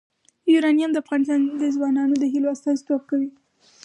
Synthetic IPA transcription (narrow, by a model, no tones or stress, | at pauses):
iɾɑnijamd̪əafɣɑnɪst̪ɑnd̪əzwɑnɑnod̪əɦiloast̪ɑzit̪oxkawi